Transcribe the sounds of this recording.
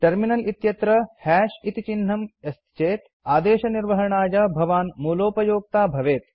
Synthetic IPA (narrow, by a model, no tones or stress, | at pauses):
ʈɐɾminɐlit̪jɐt̪ɾɐhɛːʃit̪it͡ʃinɦɐmɐst̪ʰt͡ʃeːt̪ | aːd̪eːʃɐniɾʋɐɦɐɳaːjɐbʱɐʋaːnmuːloːpɐjoːɡ̚t̪aːbʱɐʋeːt̪